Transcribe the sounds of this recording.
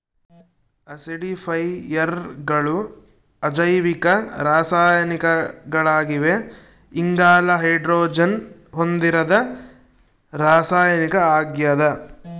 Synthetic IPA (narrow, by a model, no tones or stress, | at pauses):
ɐsɽipʰɐjɐɾɡɐɭu | ɐd͡ʒɐjʋikɐɾaːsaːjɐnikɐɡɐɭaːɡiʋe | iŋɡaːlɐɦɐjɖɾoːd͡ʒɐnɦond̪iɾɐd̪ɐ | ɾaːsaːjɐnikɐaːɡjɐd̪ɐ